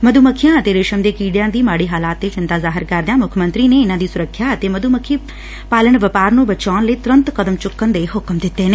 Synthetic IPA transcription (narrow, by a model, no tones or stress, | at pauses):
məd̪ʱuməkʰijãːət̪eːɾɪʃəmd̪eːkiːɖjãːd̪iːmaːɽiːɦaːlaːt̪ːeːt͡ʃɪ̃nt̪aːzaːɦɪɾkɐɾd̪ejãːmʊkʰəmə̃nt̪ɾiːneɪnãːd̪iːsʊɾəkʰːjaːət̪eːməd̪uməkʰiː | paːləɳ̃ʋəpaːɾnũːbət͡ʃaːnləiːt̪ʊɾə̃nt̪kəd̪əmt͡ʃʊkːənd̪eːɦʊkmd̪ɪt̪ːeːneː